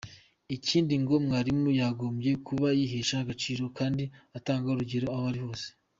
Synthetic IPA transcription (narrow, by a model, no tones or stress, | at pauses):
iciːndiŋɡo̞mŋaːɾimojaːɡo̞mje̞kʰuβajiːɦeʃahaɡat͡ʃiːɾo̞kaːndiataːŋɡauɾuɟe̞ɾo̞aβaɾiho̞ːse̥